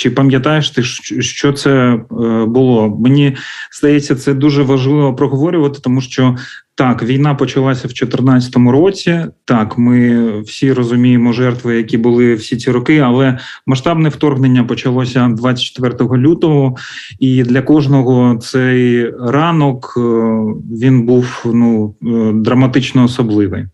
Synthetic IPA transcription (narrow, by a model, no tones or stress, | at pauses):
t͡ʃɪpɐmʲjɐt̪ɑjeʃt̪ɪʃʃt͡ʃɔt̪sɛ | bʊlˠɔmenʲiz̥d̪ɐjɛt͡sʲːɐt̪sɛd̪uʒɛʋɐʒlˠɪʋɔpɾɔɦɔʋɔɾʲʊʋɐt̪ɪ̥t̪ɔmuʃt͡ʃɔt̪ɑkʋʲijnɑpɔt͡ʃɐlˠasʲɐwt͡ʃɔt̪ɪrnaɐ̥t̪ɔmʊɾɔt͡sʲit̪ɑkmɪwsʲiɾɔzʊmʲijemɔʒɛrt̪ʋɪjɐkʲibʊlˠɪwsʲit͡sʲiɾɔkɪɐlˠɛ | mɐʃt̪ɑbnɛwt̪ɔrɦnenʲːɐpɔt͡ʃɐlˠɔsʲɐd̪ʋat͡sʲɐ̥t͡ʃːt̪ʋɛrt̪ɔɦɔlʲut̪ɔɦɔ | id̪lʲɐkɔʒnɔɦɔt̪sɛjrɑnɔk | ʋʲinbuwnud̪ɾɐmɐt̪ɪt͡ʃnɔːsɔblˠɪʋɪj